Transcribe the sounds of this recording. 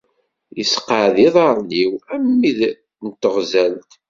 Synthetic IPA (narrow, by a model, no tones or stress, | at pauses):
jəsqəʕðiðˤɑɾˤniwæmːið | nt̪əʁzælt̪